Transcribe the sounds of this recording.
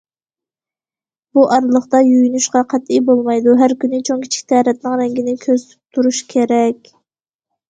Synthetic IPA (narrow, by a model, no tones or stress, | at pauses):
b̥uʔɑɾlˠəχt̪ɑjujynuʃqɑqʰæt̪ijbolˠmɑjd̪uɦæɾkʲynɪt͡ʃʰoŋkʲʰi̥t͡ʃʰi̥kʲt̪ʰɛːɾɛt̪̚nɪŋɾɛŋɡʲinɪkʲʰøzt̪ʰy̥p̚t̪ʰuɾuʃkʲʰeɾɛkʲ